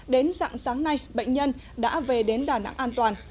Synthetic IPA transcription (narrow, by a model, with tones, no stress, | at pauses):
ɗe˨˦nza̰ː˧˨ŋsaː˨˦ŋna˧jɓə̰˧˨ŋ̟ɲə˧n | ɗa̰ː˧˥ve˨˩ɗe˨˦nɗaː˧˩na̰˧˥ŋʔaː˧nt̪waː˨˩n